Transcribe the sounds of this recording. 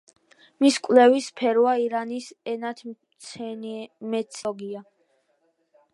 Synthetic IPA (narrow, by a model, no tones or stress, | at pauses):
miskʼwlɛvispʰɛɾwaiɾanisɛnat̪ʰ | nmɛt̪sʰɔɡia